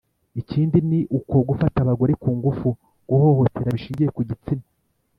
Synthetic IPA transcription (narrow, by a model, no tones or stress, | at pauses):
iciːndiniʔuko̞ɡufataβaɡo̞ɾekuːŋɡufu | ɡ̥uho̞ho̞tʰe̞ɾaβiʃiːɲɟije̞kuɟit͡sina